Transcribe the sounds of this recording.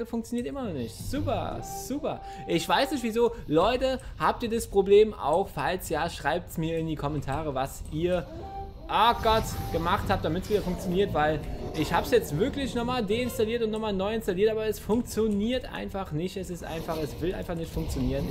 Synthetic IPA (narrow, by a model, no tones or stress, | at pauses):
əfʊŋk̚t͡sjoniːtʔɪmɐnɔχnɪçtz̥uːpɐ̰z̥uːpɐ̰ | ʔɪçv̥aɪsnɪçtv̥iːzoːlɔʏtəhaːp̚tiːɐdaspʁ̥obleːma̰ʊxfalsjaːʃʁ̥aɪp̚tsmiːɐɪndiːkʰɔmɛntʰaːʁ̞əvasʔiːɐ | ʔaːɡ̥ɔtɡ̥əmaχthaːp̚t̚d̥amɪtsv̥iːdɐfʊŋk̚t͡sjoniːɐtv̥aɪlʔɪçhaːbsjɛt͡stv̥ɪɐklɪçnɔχmaːldeːɪnstaliːɐtʊntnɔχmaːlnɔʏɪnstaliːɐtʔaːbɐɛsfʊŋk̚t͡sjoniːɐtʔa̰ɪnfaχnɪçtɛsɪstʔa̰ɪnfaχɛsv̥ɪlʔa̰ɪnfaχnɪçtfʊŋk̚t͡sjoniːʁən